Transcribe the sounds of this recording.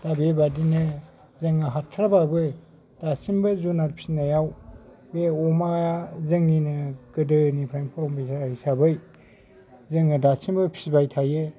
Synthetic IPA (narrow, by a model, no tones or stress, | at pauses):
d̥abebadinɯ | zɯŋaɦatʰːɾababɯ | d̥asimbɯzunatpʰi̥snajaw | beɔmaazɯŋinɯkɯdɯnipʰɾajmpʰɾɔmbisahisabɯj | zɯŋɯdasimbɯpʰisbajtʰaje